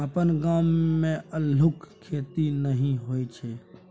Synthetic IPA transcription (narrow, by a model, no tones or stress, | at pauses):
əpənɡaːmːẽəlʊkkʰːeːt̪inəɦĩɦoːit͡ʃʰe